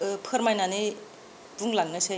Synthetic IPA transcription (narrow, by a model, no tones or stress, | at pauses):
pʰɯɾmajnani | b̥uŋlaŋːɯse